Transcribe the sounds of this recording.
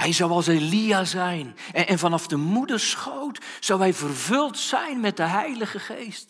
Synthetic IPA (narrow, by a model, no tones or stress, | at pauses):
hɛjzawɑlˠseliaːzɛjn | ɛnvɑnɑfdəmudərsχowt | sɑwɦɛjvərvɵlˠtsɛjnmɛt̚dəɦɛjləχəχejst